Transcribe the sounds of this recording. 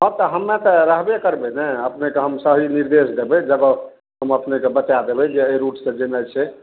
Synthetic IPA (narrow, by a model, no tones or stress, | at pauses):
ɦɔ̃t̪ɔɦəmːẽt̪ɔɾəɦbekəɾbenɛəpnekeɦəmsəɦiniɾd̪esd̪ebɛd͡ʒəɡɔ | ɦəməpnekebət͡ʃad̪ebɛd͡ʒeəɾuʈsẽd͡ʒenət͡ʃʰɛ